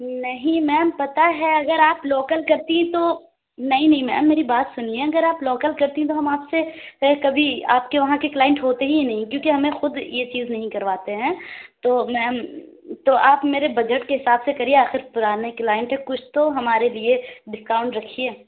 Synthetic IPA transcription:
nɐɦĩmɛːmpɐt̪aɦɛɐɡəɾaːploːkəlkɐɾt̪iɦɛ̃t̪o | nɐɦĩnɐɦĩmɛ̰ːmːeːɾibaːt̪sʊnieɐɡəɾaːploːkəlkɐɾt̪iɦĩt̪oɦɐmaːpsekɐbʱiaːpkeʋɐɦãkeklaːɪ̃ɳʈɦoːt̪eɦinɐɦĩkjõːkeɦɐmẽxʊd̪jet͡ʃiːznɐɦĩkɐɾʋaːt̪eɦɛ̃ːt̪oːmɛ̃ːm | t̪oʔaːpmeːɾebɐd͡ʒəʈkeɦɪsaːbsekɐɾieaːxɪɾpʊɾaːɾneklaːɪ̃ɳʈɦɛkʊt͡ʃʰt̪oɦɐmaːɾelieɖɪskaːʊ̃ɳʈɾɐkʰieː

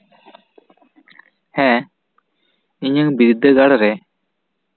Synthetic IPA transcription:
hɛ̃ | iɲəŋbiɾid̪ʱːəɡaɽɾɛ

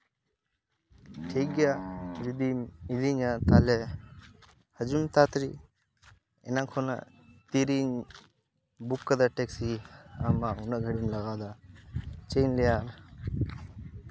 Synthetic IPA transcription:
ʈʰeɡjaɾud̪imid̪iɲat̪aːle | hɐd͡ʒumt̪aːt̪ɾi | ḛnakʰona̰ | t̪iɾiɲ | bukːɐd̪aʈeksia̰maunɐɡʱɐɽumlɐɣaːd̪a | t͡ʃejnlijaːɾ

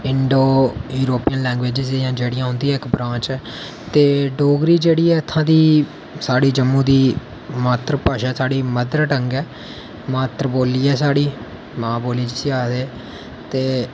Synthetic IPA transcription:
ɪɳɖoːjuːɾoːpijənlɛ̃ːŋɡʋeːd͡ʒɪzjãːd͡ʒeːɽijãːɦʊ̃nd̪iãːɪkbɾãːt͡ʃɛː | t̪eːɖoːɡɾiːd͡ʒeːɽiːɛːt̪ʰːãːd̪iː | saːɽiːd͡ʒəmːũːd̪iː | maːt̪ɾəpaːʃɛːsaːɽiːməd̪ɾʈəŋɡɛː | maːt̪ɾboːliːɛːsaːɽiː | mãːboːliːd͡ʒsiaːd̪eː | t̪eː

